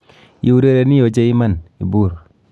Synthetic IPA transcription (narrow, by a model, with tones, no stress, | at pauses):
ji˨˦u˦ɾe˦ɾe˨ni˦jo˨d͡ʒe˦i˦ma˦˨nḭ˨bu˦˨ɾ